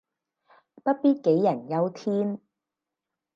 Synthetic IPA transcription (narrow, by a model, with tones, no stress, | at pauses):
pɐ˥t̚piː˥t̚ke˨˥jːɐ˨˩njɐ˨˧wt̪ʰiː˥n